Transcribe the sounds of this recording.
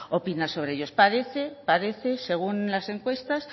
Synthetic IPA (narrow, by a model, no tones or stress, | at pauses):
o̞pinaso̞βɾeeʝo̞spaðe̞θe̞paðe̞θe̞se̞ɣ̞unlase̞ŋkwe̞st̪as